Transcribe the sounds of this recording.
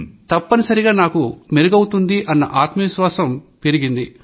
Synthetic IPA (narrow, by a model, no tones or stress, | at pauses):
t̪ɐpːɐnisɐɾiɡaːnaːkumeɾɐɡɐwut̪und̪iʔɐnːɐʔaːt̪mɐʋiʃʋaːsɐm | peɾiɡind̪i